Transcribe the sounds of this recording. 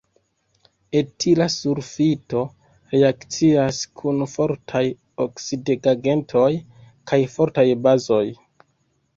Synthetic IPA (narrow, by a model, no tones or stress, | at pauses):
etʰilasuɾfito̞ | ɾeakt͡siaskʰunfo̞ɾtʰaj | oksideɡaɡe̞ntʰo̞j | kʰajfo̞ɾtajbazo̞j